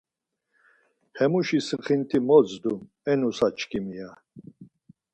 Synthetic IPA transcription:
hɛmuʃisχint̪ʰimɔt͡sd̪um | ɛnusat͡ʃʰkʰʼimija

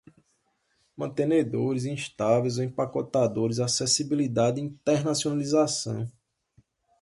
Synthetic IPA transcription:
mɐ̃nt̪ẽned̪oɾɪzĩʃt̪avejzoẽpakɔt̪ad̪oɾɪzasɛsibilid̪ad̪ĩt̪ɛɾnasionalizasɐ̰̃w̃

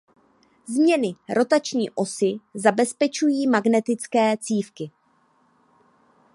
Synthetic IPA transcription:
zmɲɛnɪɾʔo̞t̪at͡ʃɲḭːʔo̞sɪzabɛspɛt͡ʃujiːmaɡnɛt̪ɪt͡skɛːt͡siːfkɪ

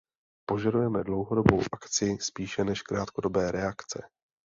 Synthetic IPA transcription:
po̞ʒadujɛmɛdlo̞wɦo̞do̞bowʔakt͡sɪspiːʃɛnɛʃkɾaːt̪̚ko̞do̞bɛːɾɛakt͡sɛ̰

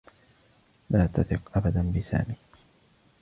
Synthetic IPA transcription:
laːt̪aθɪqʔabad̪anbɪsa̰ːmiː

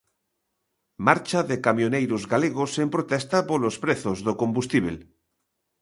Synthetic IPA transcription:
maɾt͡ʃaðekamjonejɾozɣaleɣ̞osempɾot̪ɛst̪apolospɾeθozðokõmbust̪iβ̞el

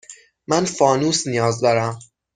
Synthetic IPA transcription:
mænfɒːnuːsnijɒːzd̪ɒːɾæm

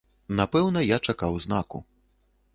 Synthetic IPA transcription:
napɛwnɐjat͡ʂakawznakṵ

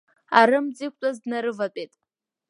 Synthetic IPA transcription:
aɾɨmd͡zik̚ʷʰʼtʷʼazdnaɾɨvapʼejtʼ

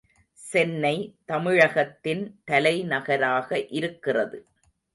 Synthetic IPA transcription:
sɛnːɐɪt̪ɐmɪɻɐɣɐt̪ːɪnt̪ɐlɐɪnɐɣɐɾaːɣɐʔɪɾɯkːɪrɐðɯ

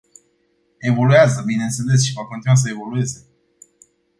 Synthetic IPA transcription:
e̞vo̞luazəbine̞nt̪se̞le̞s̬ʃivako̞nt̪inuwas̬əe̞vo̞lue̞ze̞

